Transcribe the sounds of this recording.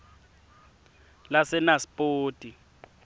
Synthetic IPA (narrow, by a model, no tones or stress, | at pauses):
lasɛnaspʼoːtʼi